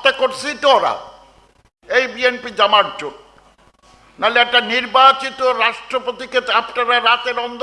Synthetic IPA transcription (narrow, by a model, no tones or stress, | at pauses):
t̪ekoɾt͡ɕʰit̪oɾa̰ | ejbienpid͡ʑamaɾd͡ʑon | naleɛk̚ʈaniɾbat͡ɕit̪oɾaʃʈɾopot̪ikeapnaɾaɾat̪eɾɔnd̪